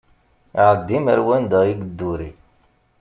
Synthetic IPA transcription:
iʕəd̪ːiməɾwænd̪ɑiɡəd̪ːuɾi

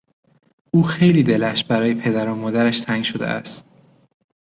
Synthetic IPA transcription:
ʔuːxe̞jliːd̪e̞læʃbæɾɒːjepʰe̞d̪æɾomɒːd̪æɾæʃt̪ʰæŋʃo̞d̪ḛʔæ̰st̪̚

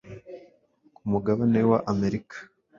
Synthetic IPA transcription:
kumuɡaβane̞waʔame̞ɾikḁ

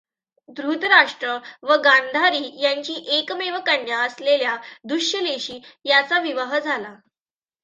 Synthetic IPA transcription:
d̪ɾut̪ɾaʂʈɾəʋəɡãnd̪ʱaɾiːjaɲt͡ɕiːʔekmeʋəkaɳjaəsleljad̪uɕjəleɕiːjat͡saʋiʋəɦəd͡zʱala

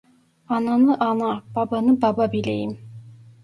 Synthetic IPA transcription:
ɑnɑnɯʔɑnɑb̥ɑbɑnɯbɑbɑbilḛjim

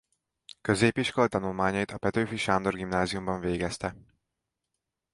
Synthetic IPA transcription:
kø̞zeːpiʃkolt̪ɒnulmaːɲɒjit̪ɒpɛt̪øːfiʃaːnd̪o̞rɡimnaːziumbɒɱveːɡɛst̪ɛ

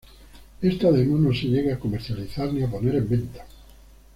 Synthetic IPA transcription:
est̪aaðemonõnseʎeɣeakomeɾθjaliθaɾniap̬oneɾembent̪ḁ

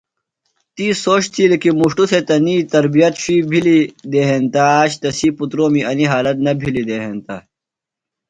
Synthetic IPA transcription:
t̪isoːɕt̪ʰiːlikimuʂʈusʰet̪ɐniːt̪ɐɾbijɐt̪ɕiːbʱilid̪eːɦent̪aːɕt̪ɐsiːput̪ɾoːmiɐniɦaːlɐt̪̚nɐbʱilid̪eɦent̪a

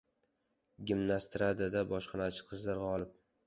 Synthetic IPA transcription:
ɡʲimnast̪ɾad̪ad̪abɒʃqʰɑnat͡ʃʰɪ̥qʰɨzlaɾɡɑɒlˠɪp̚

